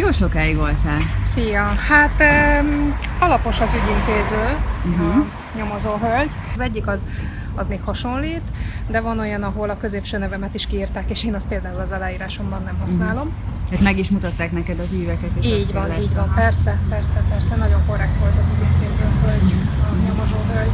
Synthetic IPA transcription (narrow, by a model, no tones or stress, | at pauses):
joːʃo̞kaːiɡʋo̞lt̪aːlsijɒhat̪ː | ɒlɒpo̞ʃɒzyɟint̪eːzøːɦ̩ | ɲo̞mo̞zoːɦølɟ | zɛɟːikɒz | ɒzmeːkhɒʃo̞nliːt̪d̪ɛvɒno̞jɒnɒɦo̞lɒkø̞zeːpʃøːnɛvɛmɛt̪iʃkiːrt̪aːkeːʃeːnɒst̪̚peːld̪aːulɒzɒlaːjiːɾaːʃo̞mbɒnːɛmɦɒsnaːlo̞m | hat̪mɛɡiʃmut̪ɒt̪ːaːknɛkɛd̪ɒziːvɛkɛt̪eiːɟvɒniːɟʋɒmpɛrsɛpɛrsɛpɛrsɛnɒɟo̞ŋko̞rɛk̚t̪ʋo̞lt̪ɒzyɟint̪eːzøːɦølɟɒɲo̞mo̞zoːɦølɟ